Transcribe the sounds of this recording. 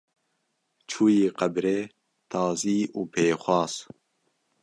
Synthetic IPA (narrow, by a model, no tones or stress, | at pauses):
t͡ʃʰuːjiːqɐbɾeː | t̪ʰɑːziːuːpʰeːxʷɑːz